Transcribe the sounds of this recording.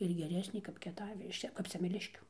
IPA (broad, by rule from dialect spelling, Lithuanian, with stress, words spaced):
ɪr ɡʲɛˈrʲæːsʲnʲeː kɐp kʲiɛˈtɑːʋʲɪ ɪʃ ˈt͡ʃʲɛ kɐp sʲɛmʲɛˈlʲɪʃʲkʲuː